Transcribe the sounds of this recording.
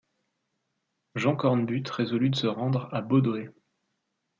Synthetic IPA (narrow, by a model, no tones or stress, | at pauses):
ʒɑ̃kɔʁnbyt̪ʁezɔlyd̪əsəʁɑ̃d̪ʁabod̪oe